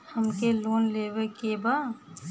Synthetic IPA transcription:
həmkeloːnleːwekeba

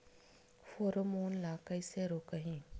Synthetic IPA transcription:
foːɾomoːnlaːkəiseɾoːkəɦĩː

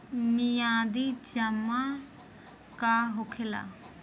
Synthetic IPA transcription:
mijãd̪id͡ʒəma | kaɦokʰɛla̰

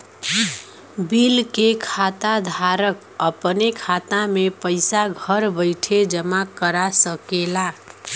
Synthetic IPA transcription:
bilkekʰat̪ad̪ʱaɾʌk | ʌpənekʰat̪amepʌjsaɡʱʌɾbʌjʈʰed͡zʌmakʌɾasʌkela

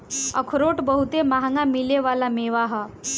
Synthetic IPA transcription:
ə̰kʰɾoʈbəɦut̪emaɦaŋɡamileʋalameʋaɦə

